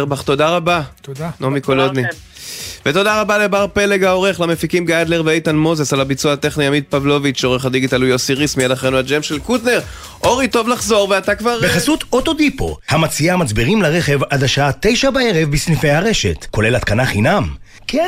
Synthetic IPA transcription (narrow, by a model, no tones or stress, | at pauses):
ʁbaχt̪o̞daʁabanomikolod̪ni | vet̪o̞daʁabalebaʁpe̞le̞ɡao̞ʁe̞χlamefikimɡaad̪le̞ʁveejtanmo̞zesalabit͡suaat̪e̞χnijamid̪̚pavlo̞vit͡ʃo̞ʁeχad̪iɡitalujo̞siʁismijad̪aχʁenuad͡ʒemʃelkutne̞ʁ | ʔo̞ʁito̞vlaχzo̞ʁveat̪akvaʁbeχasut̪ot̪o̞d̪ipo̞̰hamat͡siamat͡sbiʁimlaʁeχevad̪aʃaat̪e̞jʃabaeʁevbisnifejhaʁe̞ʃe̞tko̞lelat̪kanaχinam | kʰe